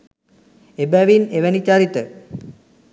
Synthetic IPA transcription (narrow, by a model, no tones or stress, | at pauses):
ebæʋineʋænit͡ʃaɾit̪ə